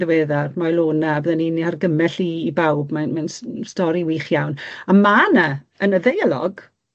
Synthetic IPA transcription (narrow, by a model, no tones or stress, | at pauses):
ðweːðarmajlˠoːnaːbəðəniniharɡəmɛɬiːbawbmanmansstɔɾiwiχjawnamanə | ənəðejalˠɔ̰ɡ